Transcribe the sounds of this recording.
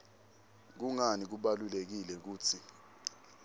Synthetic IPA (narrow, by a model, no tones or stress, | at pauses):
k̬uŋanik̬uɓalulek̬ilɛk̬uːt͡sʰi